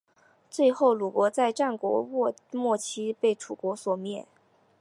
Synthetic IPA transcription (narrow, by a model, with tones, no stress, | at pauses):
t͡swe˥˧ɪxo˥˩ʊlu˨˩kwɔ˧˥t͡sa˥˧ɪʈ͡ʂa˥˩nkwɔ̰˧˥ɔ˥˧ | mwɔ˥˩t͡ɕʰi˥pe˥˩ɪʈ͡ʂʰu˨˩kwɔ˧˥swɔ˨˩mjɛ˥˩n